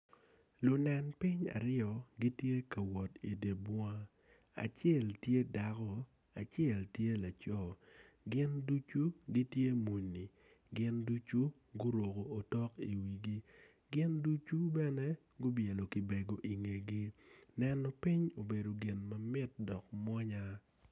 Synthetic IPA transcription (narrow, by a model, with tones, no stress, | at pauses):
lʊ˨nɛ˨npɪ˦ɲa̰˨ɾɪ˦ɔ˨ɡi˦tje˦kɐ˨wɔ˨tḭ˨de˨bwa˦ | a̰˨t͡ʃjɛ˦˨ltje˦da˨kɔ˦ | a˨t͡ʃjɛ˦˨ltje˦la˨t͡ʃɔ˦˨ | ɡɪ˦ndu˦t͡ʃu˦ɡi˦tje˦mu˨ni˨ | ɡɪ˦ndu˦t͡ʃu˦ | ɡʊ˦ɾwo˨ko˨o˨tɔ˦kḭ˨wi˨ɡi˦ | ɡɪ˦ndu˦t͡ʃu˦bɛ˦nɛ˦ | ɡʊ˦bje˨lo˨ki˨be˨ɡo˨ʔi˨ŋe˨ɡi˦nɛ˦nɔ˨pɪ˦ɲo˨be˨do˨ɡɪ˨nmɐ˨mɪ˦t̚dɔ˨k̚mwɔ˦ɲa˦